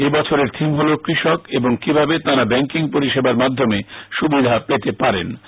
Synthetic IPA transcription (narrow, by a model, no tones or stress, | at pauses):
ebɔt͡ɕʰoɾeɾt̪ʰimɦolokɾiʃokeboŋkibʱabet̪aɾabɛŋkiŋpoɾiʃebaɾmad̪ʱːomeʃubid̪ʱapet̪epaɾḛn